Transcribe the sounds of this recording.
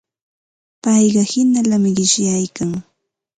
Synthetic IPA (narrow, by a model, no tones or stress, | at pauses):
pɑjɢɑhɪnalamɪɢɪʃjajkaŋ